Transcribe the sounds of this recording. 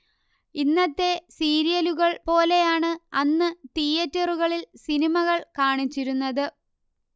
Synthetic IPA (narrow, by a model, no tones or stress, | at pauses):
inːɐt̪ːe̞siːɾijɐluɣɐɭpo̞ːle̞jaːɳɨɐnːɨt̪ijɐtːɐruɣɐɭilsinimɐɣɐɭkaːɳit͡ɕːiɾunːɐðɨ